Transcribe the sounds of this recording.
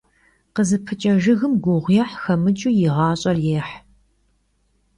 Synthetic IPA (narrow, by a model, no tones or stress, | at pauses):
qəzɨpʰɨt͡ʃʼɐʒɨɣɨmɡʷʊʁʷjɛħxɐmɨt͡ʃʼujɪʁɑːɕʼɐrjeːħ